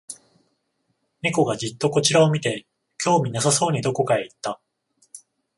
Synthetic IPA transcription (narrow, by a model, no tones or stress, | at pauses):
mʲiko̞ɡad͡ʑit̪ːo̞ko̞t͡ɕiɾao̞mʲit̪e̞ | kʲʰo̞ːmʲinasaso̞ːɲ̟id̪o̞ko̞kaeit̪ːa